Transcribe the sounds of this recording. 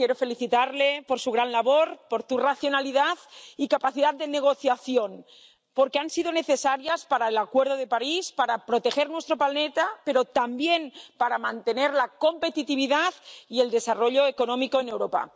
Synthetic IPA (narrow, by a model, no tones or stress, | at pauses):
kjeɾofe̞liθit̪aɾlepoɾsuɣɾanlaβoɾpoɾt̪uraθjo̞naliðaðikapaθiðat̪̚d̪eneɣ̞o̞θjaθjon | poɾkeansiðone̞θesaɾjaspaɾaelakweɾð̞oð̞epaɾispaɾapɾot̪exeɾnwest̪ɾopalnet̪apeɾot̪ambjenpaɾamãnt̪eneɾlako̞mpet̪it̪iβ̞iðaðield̪e̞saroʎoekonõmikoene̞wɾopa̰